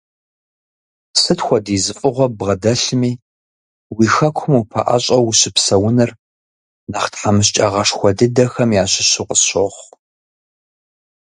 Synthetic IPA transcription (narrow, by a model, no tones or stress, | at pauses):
sɨtxʷɔdiːzɨfʼɨʁʷɔbʁɐdɐɬɨmiː | wixɐkʷʰʊmupʰɐ̰ʔa̰ɕʼɐwʊɕɪpsɐwʊnɐr | naχtħamɨɕ̬t͡ʃʼɐʁɐʂxʷɔdɨdɐxɐmjaːɕɪɕɪqəɕoχʷ